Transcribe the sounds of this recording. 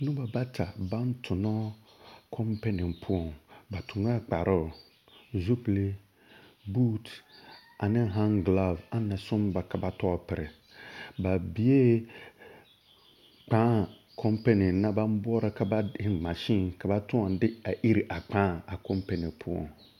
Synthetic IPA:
nʊ̃˦ba˨ba˦tʰa˨ba˦n˦tʰʊ˨nɔ˦ | kʰɔ˦mpe˦nɪ˨ŋpʰʊ˦ɔ˨ŋba˨tʰʊ˨ŋa˦k͡pa˨ɾʔɔ˦˨ | zu˦ple˦ | buː˦t | ʔa˨nɪ̃˦ɦa˦ŋɡla˦˨va˦na˨sʊ̃˦mba˨ka˨ba˨tɔ˦˨pɪ˨ɾɪ˨ | ba˨bi˨˦e˦ | k͡pãː˨˦˨ | kʰɔ˦mpe˦nɪ˨na˦ba˦m˦bɔ˦ɔ˦ɾa˦ka˨ba˦ɪ˨ma˨ʃi˦nka˨ba˦tʊ̃˦a˨dɪ˦a˨ʔi˦ɾi˨ʔa˨k͡pãː˨˦a˨kɔ˦mpe˨nɪ˨pʰʊ˦ɔ̰˨ŋ

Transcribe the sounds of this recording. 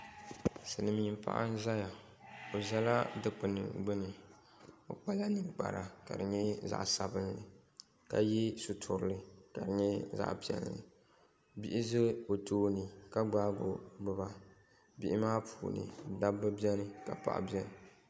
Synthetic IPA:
sɨ˨nɨ˨m˨ɲi˨mpa̰˦˨ʔa̰˦n̩˦za˦ja˨ | o˨zɛ˦la˦dɨ˦k͡pɨ˨nɨ̰˨ɡ͡bɨ˦nɨ˨ | o̰˨k͡pa˦la˦nɨ˨ŋk͡pa̰˨ɾa˨ka̰˨dɨ˨ɲɛ˦za̰˨ʔsa˨bɨ˦nlɨ˨ | ka˨jɛ˦su˨tʰʊ˨ɾɨ˨lɨ˨ka˨dɨ˨ɲɛ˦za̰˦ʔpi˦ɛ̰˨llɨ̰˨ | bi˦ʔɪ˦zɨ˦o˨tʰoː˦nɨ˨ka˦ɡ͡baː˦ɡo˨ɡ͡bɨ˨ba˨ | bi˦ʔɪ˦maː˦pʰuː˨nɨ̰˨da˦bɨ˦bi˦ɛ˦nɨ˨ka˨pa̰˨ʔa̰˨bjɛ˦nɨ˨

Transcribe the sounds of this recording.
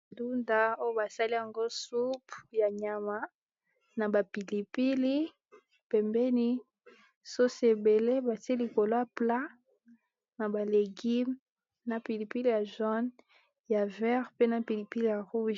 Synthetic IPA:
du˦nda˨o˦jo˦ba˨sa˦li˦ja˨ŋɡo˦su˦pja˨ɲa˨ma˨ | na˨ba˨pi˨li˨pi˦li˦ | pɛ˨mbɛ˦ni˦ | so˦se˨be˨le˦ba˨ti˦li˨ko˨lo˦a˦˨pla˦ | na˨ba˨le˨ɡi˦m | na˨pi˨li˨pi˦li˨ja˨ʒɔ˦n | ja˨vɛ˦ʁpe˦na˨pi˨li˨pi˦li˦ja˨ʁu˦ʒ

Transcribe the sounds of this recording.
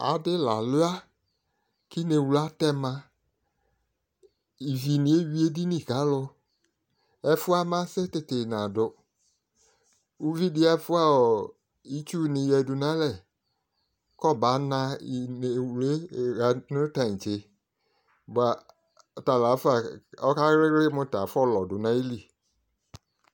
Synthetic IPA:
a̰˨dɪ˦la˨lʊ˦a˦ | kɪ˦ne˨wu˨la˦tɛ˦mã˦ | i˨vi˨nĩ˨˦e˦wi˦e˦di˦nĩ˦˨ka˨˦lʊ˦ | ɛ˦fʊ˦a˦mã˦sɛ˦tɪ˨te˨na˨dʊ˨ | u˦vi˦dɪ˦a˦fʊ˦a˦ɔ˨ | i˦t͡ʃu˦˨nɪ̃˨jɛ˨dʊ˨nã˦lɛ˨ | kɔ˦˨ba˨˦nã˦˨ | wle˦˨ɣa˨nʊ˦ta˨n̩˨t͡ʃe˨ | ba˨ | ta˨la˨˦fa˨ɔ˦ka˦ɾɪ˦ɪ˦mʊ̃˦ta˨fɔ˦˨lɔ˨dʊ˨nã˦i˦li˨

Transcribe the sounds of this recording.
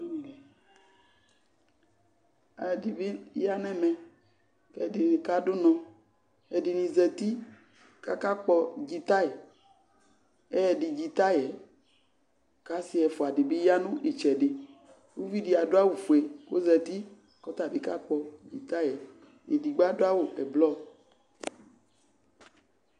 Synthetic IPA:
a˨di˨be˦ja˦nɛ̃˦mɛ̃˨ | kɛ˦˨de˨n˨ka˦do˦nɔ̃˨ | ɛ˨di˨nĩ˨zɛ˨t̪i˦ | ka˦ka˦k͡pɔ˦d͡ʒi˨t̪a˦jɛ˨ | ɛ˦ɛ˨di˨d͡ʒi˨t̪a˦jɛ˨ | ka˦si˦ɛ˨fo˨a˨ɖɪ˨be˦ja˦nũ˦ʔe˨t͡ʃɛ˨ɖɪ˨ | wu˦vi˦di˨a˨do˦a˦wo˨fo˨ɛ˨ko˦zɛ˨t̪i˦ | kɔ˦t̪a˨be˨ka˦k͡pɔ˦d͡ʒi˨t̪a˦jɛ˨ | e˨di˨ɡ͡ba˦do˦a˦wo˨ɛ˨blɔ˦˨

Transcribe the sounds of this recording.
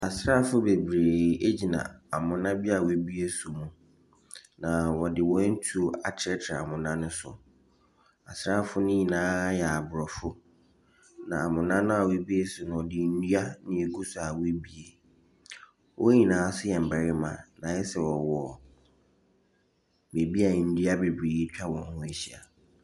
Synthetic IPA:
a˨sɾa˦˨fʊ˦be˨bɾeː˨e˦d͡ʑi˨nã̰˨a˨mʊ̃˨nã˦bi˦a˨we˦bi˦e˦sʊ˨mũ˨ | nã˨wɔ˨dɪ˨wɔ˦n̩˦tʰu˦o˨a˨t͡ɕʰɛ˦t͡ɕʰɾa˨a̰˨mʊ̃˨nã˦nʊ̃˦sʊ̰˨ | a̰˨sɾa˦˨fʊ˦nʊ̃˦ɲĩ˨nãː˨˦jɛ˨a˨bʊ˨ɾɔ˨fʊ˦ | nã˨a˨mʊ̃˨nã˦nʊ̃˦a˨we˦bi˦e˦sʊ˨nʊ̃˨wɔ˨dɪ˨n̩˦dɥa˦nɪ̃˨e˨kʰu˦sʊ˨a˨we˦bi˦e˨ | wʔɔ˦ɲĩ˨nãː˨˦sʊ˦jɛ˨m̩˨ba˨ɾɪ˦mã̰˨nã˨jɛ˦sɛ˨wɔ˨wɔ˨ | me˨bi˦a˨n̩˨˦dɥa˦be˨bɾeː˨ji˦t͡ɕᶣa˦wɔ̃˨hʊ̃˦e˨ɕi˦˨a̰˨

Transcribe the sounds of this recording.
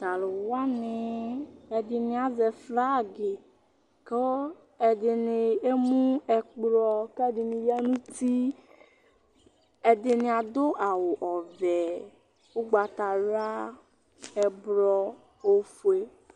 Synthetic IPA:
t̪a˨lo˨wa˦nɪ˨e˨dɪ˨nɪ̃˨˦a˨zɛ˨fla˦˨ɡe˨ | ke˦ | ɛ˨dɪ˨nɪ˨e˦mũ˦ɛ˨k͡pɾɔ˦ke˦dɪ˨nɪ̃˨ja˦nũ˦t̪i˦ | e˨dɪ˨nɪ̃˨a˨d̪o˦ʔa˨wo˨ʔɔ˨vɛ˨ | wo˦ɡ͡ba˨t̪a˨ɾa˦ | ɛ˨bɾɔ˨ | o˦fu˨e˦

